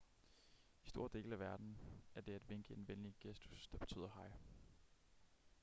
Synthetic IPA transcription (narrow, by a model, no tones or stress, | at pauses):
isd̥o̝ɐ̰d̥e̝̰ːlæʋæɐd̥n̩æɐd̥e̝æd̥ʋe̝ŋɡ̥əenʋenliɡ̥esd̥u̥sd̥ɑ̈b̥e̝t͡sʰy̰ːð̰ˠɐhɑ̈ɪ̰